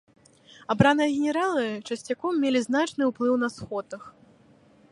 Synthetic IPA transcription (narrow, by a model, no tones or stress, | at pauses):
abɾanɨjɐɣʲɛnʲɛɾalˠɨt͡ʂɐsʲt͡sʲakɔmːʲelʲiznat͡ʂnɨwplˠɨwn̪ɐsxɔt̪ɐx